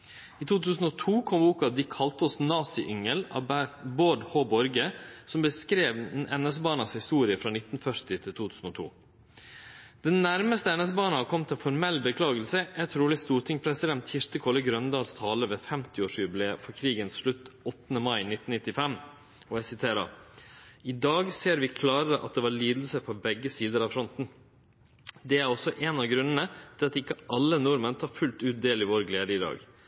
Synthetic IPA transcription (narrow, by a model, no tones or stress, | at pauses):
iːt̪ʰuːt̪ʰʉːsn̩ɔt̪ʰuːkʰɔmbuːkɑʋd̪ɪkʰɑlt̪əɔsnɑːsɪʔʏŋəlɑ̰boːɖhoːbɔɾɡəsɔmbəskɾeːʋɛnɛs̬əbɑːnɑshɪst̪uːɾɪəfɾɑːnɪt̪nfœɾt̪ɪt̪ʰɪlt̪uːt̪ʰʉːsn̩ɔt̪ʰṵː | d̪̥ɛnnæɾməst̪əɛnɛsəbɑːnəhɑkʰɔmt̪ʰɛnfɔɾmɛlːbəkʰlɑːɡəl̩səæt̪ʰɾuːlɪst̪uːɾt̪ʰɪŋpʰɾɛsɪd̪ɛnt̪ʰɪʂt̪əkʰɔləɡɾœnd̪ɑːlst̪ʰɑːləʋeːfɛmt̪ɪoːʂjʉbɪleːfɔɾkʰɾiːɡənsʂɭʉt̪ːɔt̪ːənəmɑɪnɪt̪ːn̩nɪt̪ːɪfɛm | ɔæsɪt̪ʰeːɾə̰ɾ | ɪd̪ɑːɡseːɾʋɪkʰlɑːɾəɾəʔɑ̰t̪̚d̪ɛʋɑɾɭiːd̪l̩səpʰɔbɛɡːəsiːd̪əɾɑʋfɾɔnt̪n̩ | d̪ɛæɾɔsɔʔɛːnɑɡɾʉnːənət̪ʰɪlɑt̪ɪkːəʔɑlːənʊɾmənt̪ʰɑːɾfʉlt̪ʉːt̪̚d̪eːlɪʋoːɾɡleːd̪əɪd̪ɑ̰ːɡ